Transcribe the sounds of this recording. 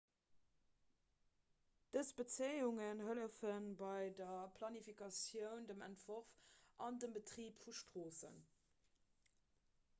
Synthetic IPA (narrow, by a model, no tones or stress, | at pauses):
d̥əsb̥ət͡seɪuŋənɦələʊfənbɑɪdɐpʰlɑnifikɑsjəʊndəmæ̰ntv̥oʁfʔɑndəmbətʁiːpfuʃtʁoːsə̰n